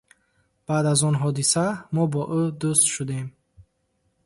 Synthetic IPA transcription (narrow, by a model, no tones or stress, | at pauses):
b̥ad̪azɔnɦɔd̪isamɔbɔʔud̪ust̪ʃud̪e̞m